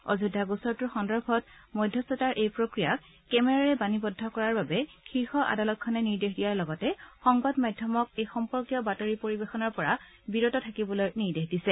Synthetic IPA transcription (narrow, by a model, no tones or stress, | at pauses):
ɔ̰zudʱːaɡusɔɹtʊɹxɔndɔɹbʱɔt̚ | mɔjdʱːɔstɔtaɹʔejpɹokɹijakː | ɛmɛɹaɹɛbanibɔdʱːɔkɔɹaɹbabɛxiɹxɔʔa̰dalɔt̚kʰanɛniɹdexdijaɹlɔɡɔtɛxɔŋbɔdmadʱjɔmɔk̚ejxɔmpɔɹkjɔbatoɹipoɹibexɔnɔɹpɔɹa | biɹotɔtʰakibɔlojniɹdexdisɛ